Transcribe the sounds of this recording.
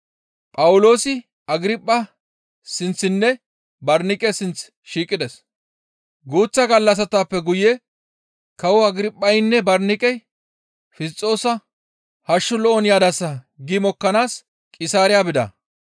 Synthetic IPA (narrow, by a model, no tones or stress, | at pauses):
pʼɐwʊlo̞ːsɪ | ɐɡɪɾɪpʼːɐ | sɪnt͡sːɪnːɛ | bɐɾnɪkʼɛsɪnt͡s | ʃiːkʼːɪd̪ɛs | ɡuːt͡sːɐɡɐlːɐs̬ɐt̪aːpːɛɡʊjɛ | kɐwʊɐɡɪɾɪpʼːɐjɪnːɛbɐɾnɪkʼɛj | fɪst͡sʼːo̞ːsɐ | hɐʃːʊlɔʔɔnjaːd̪ɐsːɐ | ɡɪmɔkːɐnaːs | kʼɪsaːɾɪjaːbɪd̪ɐ̰